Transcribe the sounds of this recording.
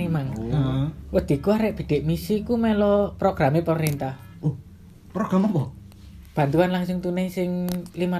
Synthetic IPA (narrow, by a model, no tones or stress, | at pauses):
emaŋ | wəd̪̥i̤kuaɾɛʔb̥i̤d̪̥ɛ̤ʔmisikumɛlɔpɾoɡ̥ɾamepəmɾint̪ah | u | pɾoɡ̥ɾamabɔ | b̥a̤nt̪uanlaŋsʊŋt̪unɛsɪŋlima